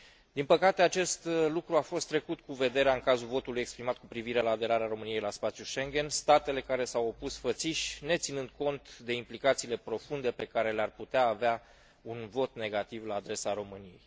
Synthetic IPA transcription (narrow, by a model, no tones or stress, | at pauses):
d̪inpəkat̪e̞at͡ʃe̞st̪lukɾuafo̞st̪ːɾe̞kut̪kuve̞d̪e̞ɾeaɨŋkazulvo̞t̪ulujekspɾimat̪̚kupɾiviɾe̞laːd̪e̞ɾaɾeaɾo̞mɨnijejlaspat̪sjuʃe̞ŋɡʲe̞nst̪at̪e̞le̞kaɾe̞sawopusfət̪siʃʲne̞t̪sinɨnd̪̚ko̞nt̪d̪e̞implikat̪siːle̞pɾo̞fund̪e̞pe̞kaɾe̞learput̪eaːvea | unvo̞t̪ne̞ɡat̪ivlaːd̪ɾe̞saɾo̞mɨnije̞̰j